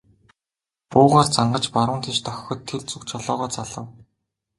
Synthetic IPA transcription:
pʊːʁaːrt͡saɴɢə̆t͡ɕpaɾʊːnt̪ʰĭt͡ɕt̪œxʲxɵ̆t̪ʰːeɮt͡sukt͡ɕʰɔɮɔːʁɔːt͡saɮə̆w

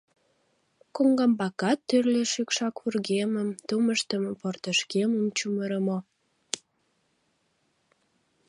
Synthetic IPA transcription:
koŋɡɑmbɑkɑt̪ːyrleʃykʃɑkβurɣeməmt̪uməʃt̪əmport̪əʃkeməmt͡ɕuməɾəmo

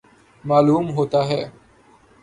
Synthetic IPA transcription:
maːluːmɦoːt̪aːɦɛː

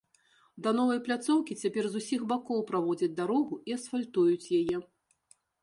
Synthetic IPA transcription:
d̪ɐnɔvɐjplʲat̪sɔwkʲit͡sʲapʲɛrzusʲixbakɔwpɾavɔd͡zʲɐd͡zʲd̪aɾɔɣuiɐsfalʲt̪ujut͡sʲjajɛ

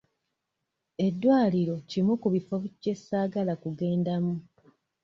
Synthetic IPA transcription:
e̞dːwaːliɾo̞cimukuβifoβuce̞saːɡalakuɡe̞ːndamu

